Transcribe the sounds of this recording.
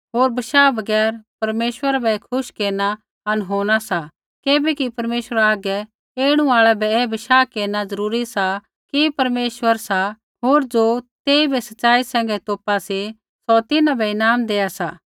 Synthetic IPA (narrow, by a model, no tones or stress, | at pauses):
ɦoːɾbɐʃaːbɐɡɛːɾpɐɾmeːʃwəɾabɛkʰʊʃkeːna | ɐnɦoːɽ̃asa | keːbɛkipɐɾmeːʃəɾaaːɡɛ | eːɽ̃ũaːɭɛbɛɛbɐʃaːkeːnazɐɾuːɾisa | kipɐɾmeːʃwəɾsa | ɦoːɾd͡ʒoːt̪eːibɛsɐtːsaːisɛ̃ːŋɡɛt̪oːpasi | sɔt̪ɪnãbɛɪnaːmd̪eːasa̰ː